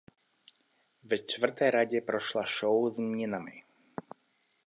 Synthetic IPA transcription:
vɛt͡ʃt̪vr̩t̪ɛjɾaɟɛpɾoʃlaʃowzmɲɛnamɪ̰

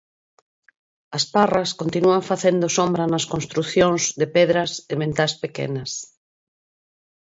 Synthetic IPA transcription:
ɐsparaskont̪inuaɱfaθend̪osombɾɐnɐskõnst̪ɾuθjõŋzðepɛðɾɐsemẽnt̪aspekḛnɐs

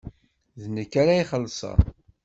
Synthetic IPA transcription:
ðnəkːaɾæiχəlːsˤɑ̰

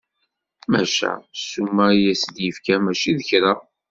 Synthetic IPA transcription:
mæʃæ̰sːumːæjæsəd̪jəfkæmæʃiðəçɾa

